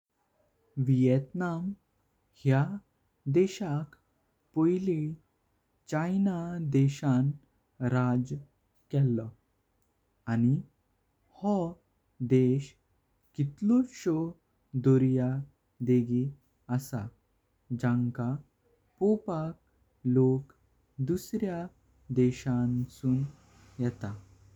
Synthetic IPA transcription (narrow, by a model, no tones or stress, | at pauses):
ʋijɛt̪nam | hja | d̪ɛɕak | pojli | t͡ɕajnad̪ɛɕan | ɾad͡z | kɛlːɔ | ani | hɔ | d̪eɕ | kit̪lɔɕɔ | d̪ɔɾja | d̪eɡi | əsa̰ | d͡ʑãŋka | pɔpak̚ | lok | d̪usɾja | d̪ɛɕansuːn | jɛt̪a